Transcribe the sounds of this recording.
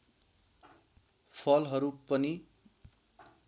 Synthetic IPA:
pʰʌlɦʌɾupʌni

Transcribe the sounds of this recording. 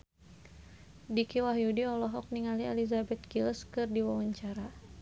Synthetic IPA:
dikiwaɦjudiɔlɔɦɔk̚niŋaliɛlizabɛt̪̚kilskɨrdiwawaɲt͡ʃaɾa

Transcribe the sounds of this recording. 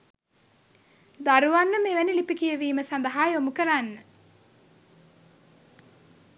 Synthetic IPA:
d̪aɾuʋanːəmeʋænilipikijəʋiːməsand̪ɐɦaːjomukəɾanːə

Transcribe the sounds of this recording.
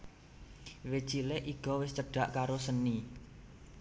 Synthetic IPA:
wet͡ʃileʔiɡ̥ɔ̤wɪst͡ʃəɖ̥a̤ʔkaɾosəni

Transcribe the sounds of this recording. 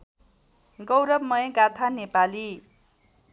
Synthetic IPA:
ɡʌwɾʌbmʌjʌɡat̪ʰanepali

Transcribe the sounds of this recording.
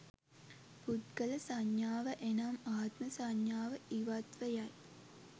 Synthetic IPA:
put̪ɡələsaɲjaːʋəʔenamaːt̪məsaɲjaːʋəiʋat̪ʋəjaj

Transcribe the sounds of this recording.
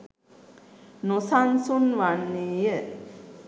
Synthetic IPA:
nosansunʋanːeːjə

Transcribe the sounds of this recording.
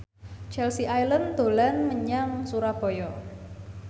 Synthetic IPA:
t͡ʃɛlsiʔajlənd̪o̤lanməɲaŋsuɾab̥ɔjɔ

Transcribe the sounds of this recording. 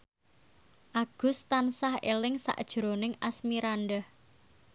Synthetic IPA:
ʔaɡ̥ʊ̤st̪ansahḛlɪŋsa̰ʔd̥ʒ̥ɾonɪŋasmiɾanɖəh

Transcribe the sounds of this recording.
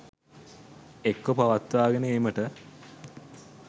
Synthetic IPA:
ekːopaʋat̪ʋaːɡenəeːməʈə

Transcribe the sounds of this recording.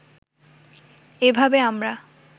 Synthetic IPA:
ebʱabeamɾa

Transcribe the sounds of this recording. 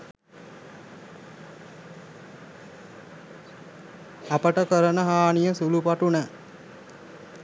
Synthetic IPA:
apəʈəkəɾənəɦaːnijəsulupaʈunə

